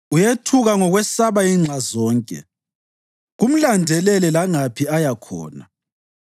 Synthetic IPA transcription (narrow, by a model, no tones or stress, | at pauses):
ujetʰuɣaŋɔɣwɛsaβaiːŋ͡ǁʱazɔːŋkʼɛ̰ | ɣum̩landʱɛlɛlɛlaŋapʰiajakʰɔ̰ːna̰